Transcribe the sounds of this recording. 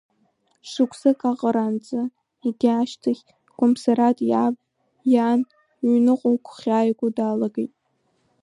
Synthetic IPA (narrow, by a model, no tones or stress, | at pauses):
ʂɨkʷʰsɨkʼaqʼəɾant͡sʼɨ | iɡʲiaʃtʰaχʲ | kʷʼʊmsaɾatʼjab | jan | ɥnɨqʷʼowkʷʰχʲaːjɡʷʼʊdaːlaɡejtʼ